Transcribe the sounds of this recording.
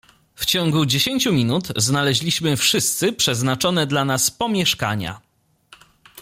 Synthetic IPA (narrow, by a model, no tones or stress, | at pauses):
ft͡ɕɔŋɡud͡ʑeɕeɲʲt͡ɕumʲinut̪znalɛʑlʲiɕmɘfʂɘst̪sɘpʂɛznat͡ʂɔnɛd̪lanaspɔmʲjɛʂka̰ɲa̰